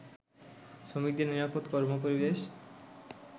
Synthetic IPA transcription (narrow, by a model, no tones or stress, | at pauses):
ʃomik̚d̪eɾniɾapot̪kɔɾmopoɾibeʃ